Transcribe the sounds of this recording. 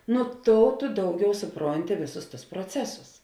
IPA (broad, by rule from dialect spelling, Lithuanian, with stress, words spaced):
nʊ ˈtoːʊ tʊ ˈdɐʊˌɡʲɛʊ sʊˈproːnʲtʲɪ ˈʋʲeːˌsʊs tʊs proːˈt͡sʲæːsʊs